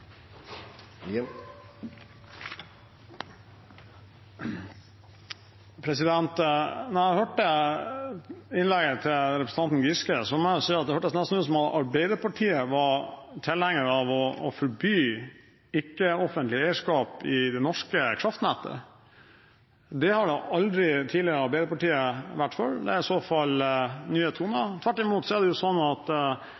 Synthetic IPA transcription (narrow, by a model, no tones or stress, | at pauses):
pʰɾɛsɪd̪ɛnt̪nææhøːʈə | ɪnlɛɡət̪ʰɪlɾɛpɾəsn̩ɑnt̪n̩ɡɪskəsɔmɔʊsiːɑt̪̚d̪ɛhøːʈːəd̪snɛst̪nʉːəsɔmɑʔɑɾbeɪd̪əɾpʰɑʈʰiːəʋɑt̪ʰɪlhɛŋːəɾɑʋɔɔ̰fɔɾbyː | ɪkːəɔfənt̪lɪæɪəʂkɑːpɪd̪ɛnɔʂkəkʰɾɑft̪næt̪ːə̰ | d̪ɛhɑɖɛʔɑld̪ɾɪt̪ʰiːlɪəɾəɑɾbæɪd̪əɾpɑʈiːəʋæʈːfœɾd̪ɛ̰æɪsoːfɑlnyːhet̪ʰːunɑt̪ʰʋæʈːɪmuːt̪sɔæɖɛjʊsɔnːɑt̪